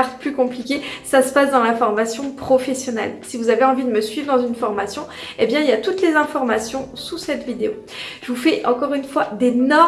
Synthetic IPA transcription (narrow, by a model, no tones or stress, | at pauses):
aʁt̪plykɔ̃plikʲesasə̥pasd̪ɑ̃lafɔʁmasjɔ̃pχɔfɛsjɔnɛ̰lsivuzaveɑ̃vid̪əməsɥivʁd̪ɑ̃zynfɔʁmasjɔ̃ebjɛ̃iljat̪ut̪lezɛ̃fɔʁmasjɔ̃susɛt̪vid̪eo | ʒ̥əvufɛʔɑ̃kɔʁynfwad̪enɔ